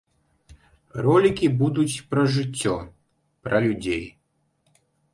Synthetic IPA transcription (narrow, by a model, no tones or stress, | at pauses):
ɾɔlʲikʲibud̪ut͡sʲpɾɐʐɪt͡sʲːɔ | pɾɐlʲud͡zʲej